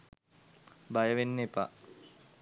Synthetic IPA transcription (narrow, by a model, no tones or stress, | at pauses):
bajəʋenːepa̰